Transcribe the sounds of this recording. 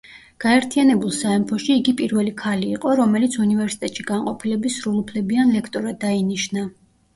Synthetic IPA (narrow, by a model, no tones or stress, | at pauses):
ɡ̥aɛɾt̪ʰianɛbulˠsaɛmpʰɔʃiːɡipʼiɾvɛlikʰaliːqʼɔɾɔmɛlit̪sʰunivɛɾsi̥t̪ʼɛt̪ʼʃiɡ̥aɴqʼɔpʰilɛbisɾulˠupʰlɛbianlɛkʰt̪ʼɔɾad̪ainiʃna